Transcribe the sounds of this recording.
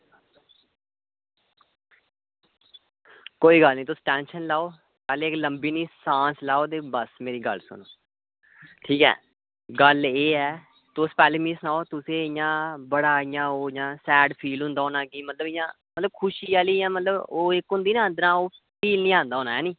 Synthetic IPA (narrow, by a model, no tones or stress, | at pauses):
koːiːɡəlnĩːt̪ʊsʈɛːnʃənlaːoː | pɛːleːɪkləmbiːnĩːsãːslaːoːt̪̬eːbəsmeːɾiːɡə̰lsʊ̰noː | ʈʰiːkɛ̰ː | ɡəleːɛː | t̪ʊspɛːleːmĩːsʊnaːoːt̪ʊsẽːɪjãːbəɽaːɪjãːoːɪjãːsɛːɖpʰiːlɦʊ̃nd̪aːoːnaːɡiːmət̪ləbɪjãː | mət̪ləb̚kʰʊʃiːaːliːjãːmət̪ləboːɪkɦʊ̃nd̪iːñːənd̪əɾãːoːpʰiːlnĩːãːnd̪aːoːnaːɛːnĩː